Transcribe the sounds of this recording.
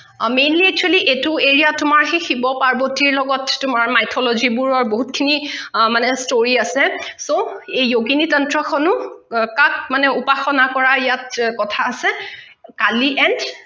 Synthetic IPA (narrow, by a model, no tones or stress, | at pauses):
mejnliɛk̚t͡ʃʰualiʔetʊeɹijatʊmaɹxexibɔpaɹbɔtiɹlɔɡɔtːʊmaɹmajtʰɔlozibuɹɔɹboɦutkʰinimanɛstoɹiasɛsoejːoɡinitɔntɹɔxʰɔnʊkak̚manɛupaxɔnakɔɹaɹijat̚kɔtʰaːsɛ | kaliʔɛnd